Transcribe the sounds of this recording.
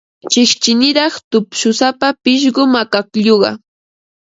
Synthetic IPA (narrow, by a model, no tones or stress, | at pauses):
t͡ʃɪχt͡ʃɪnɪɾɑχt̪ʊpʃʊsapapɪʃ̬ɢʊmakakʎoɢɑ̰